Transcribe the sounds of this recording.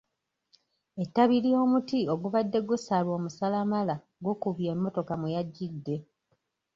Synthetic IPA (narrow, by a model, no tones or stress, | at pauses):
e̞tːaβilijo̞ːmutio̞ɡuβadːe̞ɡusalwo̞ːmusalamala | ɡokuβje̞ːmːo̞to̞kamujaɟːidːe̞